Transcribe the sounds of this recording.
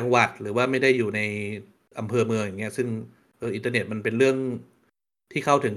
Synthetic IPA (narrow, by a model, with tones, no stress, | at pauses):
a˧ŋwa˨˩t̪̚ɾɯː˩˦waː˥˩ma˥˩jda˥˩jːuː˨˩na˧j | ʔa˧mpʰɤː˧mɯ˧əŋja˨˩ŋːi˦˥ɐsɯ˥˩ŋ | ʔɤː˧ʔi˧nt̪aː˧ne˨˩t̪̚ma˧npe˧nɾɯ˥˩əŋ | t̪ʰiː˥˩kʰa˥˩wt̪ʰɯ˩˦ŋ